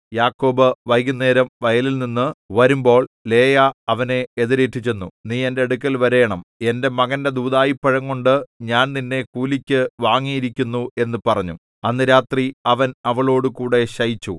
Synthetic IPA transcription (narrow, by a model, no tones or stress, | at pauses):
jaːkːo̞ːbɨʋɐjɣunːe̞ːɾɐmʋɐjɐlilninːɨʋɐɾumbo̞ːɭle̞ːjaɐʋɐne̞eðiɾeːtːit͡ɕːe̞nːuniːe̞nde̞ɽukʲːɐlʋɐɾe̞ːɳɐme̞nde̞mɐɣɐnde̞d̪uːðaːjipːɐɻɐŋːoɳɖɨɲaːnninːe̞kuːlikʲːɨʋaːŋːijiɾikʲːunːue̞nːɨpɐrɐɲːṵ | ɐnːɨɾaːt̪riɐʋɐnɐʋɐɭo̞ːɽɨkuːɽe̞ɕɐjit͡ɕːu